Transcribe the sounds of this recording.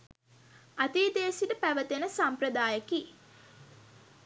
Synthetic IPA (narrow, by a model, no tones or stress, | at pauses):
at̪iːd̪eːsiʈəpæʋət̪enəsamprəd̪aːjəki